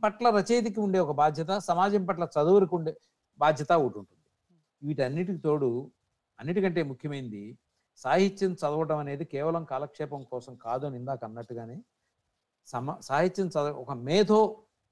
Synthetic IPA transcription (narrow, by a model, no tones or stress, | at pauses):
pɐʈlɐɾɐt͡ʃɐjt̪̬ikiuɳɖe̞ːɔkɐbaːd̪ʱjɐt̪̬ɐsɐmaːd͡ʒɐmpɐʈlɐt͡ʃɐd̪uʋɐɾikuɳɖe | baːd̪ʱjɐt̪ɐuʈːuɳʈund̪i | iʋiʈɐnːiʈ̬it̪o̞ːɽu | ɐnːiʈikɐɳʈe̞ːmukʰjɐmɐjind̪i | saːɦit̪ːjɐnt͡ʃɐd̪ɐʋɐʈɐmɐneːd̪ikɛːʋɐlɐmkaːlɐkʂɛːpɐmkɔːsɐmkaːd̪uɐnind̪aːkɐnːɐʈːuɡaːne̞ː | sɐmsaːɦit̪jɐnt͡ʃɐd̪ɐɔkɐmɛːd̪oː